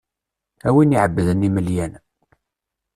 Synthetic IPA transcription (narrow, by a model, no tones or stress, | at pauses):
æwiniʕəbːəðənːiməljæn